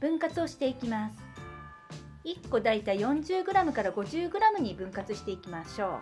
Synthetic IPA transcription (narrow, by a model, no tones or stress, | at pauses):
b̥ɯ̟̃ŋkat͡sɨo̞ɕi̥t̪e̞ikʲimasɨ̥ | ikːo̞d̪ait̪aijõ̞ɲd͡ʑɨːɡɯ̟ɾamɯ̟kaɾaɡo̞ʑɨːɡɯ̟ɾamɯ̟ɲ̟ibɯ̟̃ŋkat͡sɨɕi̥t̪e̞ikʲimaɕo̞ː